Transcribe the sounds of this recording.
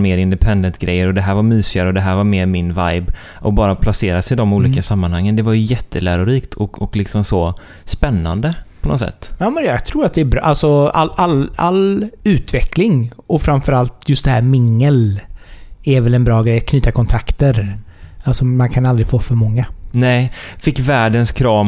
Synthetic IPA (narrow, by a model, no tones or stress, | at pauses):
meːɾɪnd̪ɛpʰɛnd̪ənt̪ɡɾʔɛ̰jːəɾɔd̪ɛɦæːɾvaɾmyːsɪaɾəɔd̪ɛɦæːɾvaɾmeːɾmɪnvajb | ʔɔbɑːɾapʰlaseːɾasɪd̪ɔmuːliːkasamːanhaŋːənd̪ɛvaɾjɵjɛt̪ʰːəlæːɾʊɾiːkt̪ʰɔkɔklɪksɔmsɔ | spɛnːa̰nd̪əpʰɔnɔ̰t̪sɛ̰t̪ːjɑːmənjɑɡt̪ʰɾuːɾat̪̚d̪ɛːbɾ̰ʔalsɔalalːa̰lːʉ̟ːt̪vɛkʰlɪŋɔfɾamfœɾalt̪jɵst̪d̪ɛhæːɾmɪŋːəl | ɛɾvɛlɛnbɾɑːɡɾɛjːat̪̚kʰnyːt̪akʰɔnt̪ʰɾakt̪əɾ | alsɔmankʰanald̪ɾɪfoːfœɾmɔŋːanɛːfɪkːvæːɖənskʰɾɑːm